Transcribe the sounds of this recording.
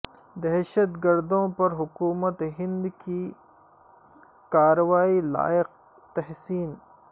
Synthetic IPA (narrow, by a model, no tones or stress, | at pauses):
d̪ɛɦʃɐt̪ɡɐɾd̪õːpɐɾɦʊkuːmɐt̪ɦɪ̃nd̪ki | kaːɾɐwaːila̰ːɪq̚ | t̪ɐɦsiːn